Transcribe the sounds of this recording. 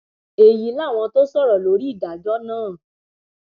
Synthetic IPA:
e˨ji˨˦la˦˨w̃ɔ̃˧to˦sɔ˦˨ɾɔ˨lo˨˦ɾi˦i˦˨da˨d͡ʒɔ˦nãː˦˨

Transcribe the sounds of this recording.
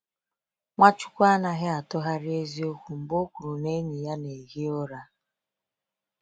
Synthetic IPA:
ŋʷa˦t͡ʃu̥˦kʷa˦na˨ɦɪ˦a˨tɔ˦ɦa˦ɾɪ˦e˦zi˦o˦kʷu˨m̩˨bo˦kʷu˨ɾu˨ne˦ɲi˨ja˦ne˨ɣi˦o˦ɾa˦

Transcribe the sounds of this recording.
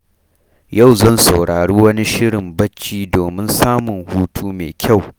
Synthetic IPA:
ja˦˨wzɐ˦˨nsa˨wɽaː˨ɽuː˦wɐ˦ni˦ʃɪ˦ɽɪ˨mbɐ˦t͡ʃːiː˦doː˨mɪ˦nsaː˦mʊ˨ŋhuː˦tʰuː˦meː˨kʲʰa˦˨w

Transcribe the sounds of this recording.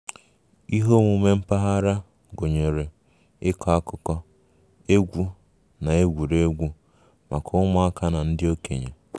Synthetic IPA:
i˦ɦo˦ŋʷu˦me˦m̩˦pa˦ɦa˦ɾa˦ | ɡo˨ɲe˨ɾe˨ | ɪ˦kʰɔ˨˦a˦kʊ˦kɔ˦ | e˦ɡʷu˦ | na˨e˦ɡʷu˨ɾe˦ɡʷu˦ | ma̰˨kɔ˦ʊ˦mʊ˦a˦ka˦na˨n̩˦dɪ˦o˦kḛ˨ɲe˨

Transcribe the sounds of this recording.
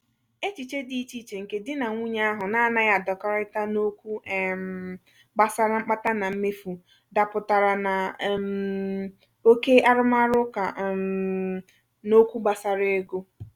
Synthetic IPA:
e˦t͡ʃi˨t͡ʃe˦di˨˦t͡ʃi˦t͡ʃe˨ŋ̩˨ke˨dɪ˦na˨ŋʷu˦ɲa˦a˦ɦʊ˨na˦a˦˨na˦ja˨dɔ˨kɔ˦ɾa˦ɪ˦ta˦no˦kʷu˦˨m˨ | ɡ͡ba˨sa˦ɾa˦ŋ͡m̩˦k͡pa˦ta˦na˨m̩˦me˦fu˨ | da˨pʊ˨ta˨ɾa˨na˨m | o˦ke˦a˦ɾʊ˦ma˦ɾʊ˦ka̰˨ | no˦kʷu˦ɡ͡ba˨sa˨ɾe˦ɡo˦

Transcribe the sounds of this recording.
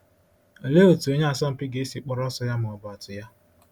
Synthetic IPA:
e˨le˦o˨tu˨e˦ɲa˦a˨sɔ˦m̩˦pi˦ɡe˨˦i˦si˨k͡pɔ˦ɾɔ˦sɔ˦ja˦mʊ˨ɔ˨bʊ˨a˨tʊ˨ja˦

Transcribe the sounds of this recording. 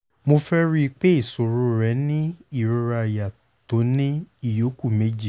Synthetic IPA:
mo˧fɛ˦ɾi˦k͡pe˦i˦˨so˨ɾu˧˦ɾɛ˨˦nĩ˦i˦˨ɾu˨˧ɾa˧˨ja˨ | to˨˦nĩ˦i˦˨jo˨˦ku˦˨me˨˦d͡ʒi˦˨

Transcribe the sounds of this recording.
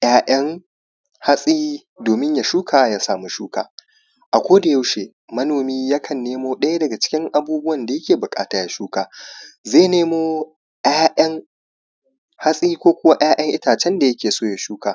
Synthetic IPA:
j̰aː˦ʔɐ˦ŋ | ha˦sʼi˦ | doː˨mɪ˦ɲja˨ʃuː˦kʰaː˨ja˦saː˨mu˦ʃuː˦ka̰ː˨ | ʔa˨kʷoː˦da˨ja˦wʃeː˨ | mɐ˦noː˨miː˦jɐ˦kʰɐ˨nːeː˦moː˦ɗɐ˦ja˦dɐ˨ɡa˨t͡ʃɪ̥˦kʲɪ˦ŋʔa˨buː˦bʊ˦wɐ˨nda˨jɐ˦kʲeː˨bʊ˨kʼa̰ː˦taː˨ja˦ʃuː˦kaː˨zeː˦˨neː˦moː˦ | ʔaː˦ʔɐ˦ŋ | ha˦sʼiː˦kʷoː˦kʷʊ˦wa˦ʔj̰aː˦ʔɐ˦ŋʔɪ˦taː˨t͡ʃɛ˦nda˨jɐ˦kʲeː˨soː˦ja˨ʃuː˦kaː˨

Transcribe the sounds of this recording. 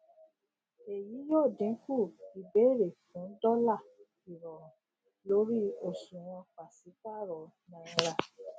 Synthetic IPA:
e˨ji˨˦jo˦˨dĩ˨˦ku˦˨i˨be˨˦ɾe˨fũ˨˦dɔ˦la˦˨ | i˨ɾɔ˨ɾ̃ɔ̃˨ | lo˨˦ɾi˦o˦˨sũ˨w̃ɔ̃˧k͡pa˨si˨˦ka˦˨ɾɔ˨nã˧˦ɾa˦˨

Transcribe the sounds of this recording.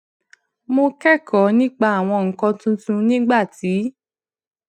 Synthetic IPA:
mo˧kɛ˦˨kʰɔ˨˦nĩ˦k͡pa˧a˨w̃ɔ̃˧ŋ̩˨kɔ̃˧tũ˧tũ˧nĩ˦ɡ͡ba˦˨ti˨˦

